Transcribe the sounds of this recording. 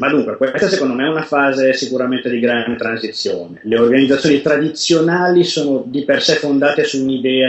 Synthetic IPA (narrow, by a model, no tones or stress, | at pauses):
mad̪ːuŋkwekwest̪asekond̪omeɛunafaːzesikuɾament̪ed̪iɡɾanet̪ɾanzit̪sːjoːneleorɡanid̪zat̪sjonit̪ɾad̪it̪sːjonaːlisoːnod̪ipersɛfːond̪aːt̪esuːnid̪ɛːa